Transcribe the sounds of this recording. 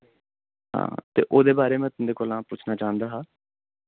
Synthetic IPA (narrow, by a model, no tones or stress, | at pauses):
ɦã̰ːt̪ḛːʔoːd̪eːbaːɾeːmɛ̃ːt̪ʊnd̪eːkoːlãːpʊt͡ʃʰnaːt͡ʃaːə̃nd̪aːɦaː